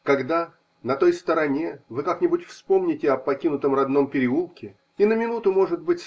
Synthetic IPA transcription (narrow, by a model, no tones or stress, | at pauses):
kɐɡd̪a | nɐt̪o̞jst̪əɾɐnʲe̞vɨkaknʲɪbutʲfspo̞mnʲɪtʲɪɐpɐkʲinʊt̪əmrɐd̪no̞mpʲɪɾʲɪulˠkʲɪ | inəmʲɪnut̪ʊmo̞ʐɨd̪̚bɨtʲs